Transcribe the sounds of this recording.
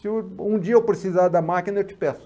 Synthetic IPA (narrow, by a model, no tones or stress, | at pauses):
sɪũd͡ʒiɐewpɾesizaɾd̪ɐmakinɐewt͡ʃɪ̥pɛsʊ̥